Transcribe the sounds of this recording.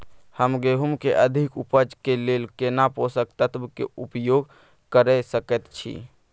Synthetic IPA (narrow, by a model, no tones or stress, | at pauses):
həmɡeɦumkeʔəd̪ʱikupəd͡ʒkelelkenaposəkt̪ət̪bkḛupjoɡ | kəɾɛsəkɛt̪t͡ʃʰḭ